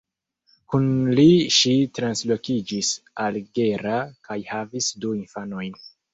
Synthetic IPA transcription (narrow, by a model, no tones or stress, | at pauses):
kunliʃitɾanslo̞kid͡ʒisalɡe̞ɾakʰajhavisduinfano̞jn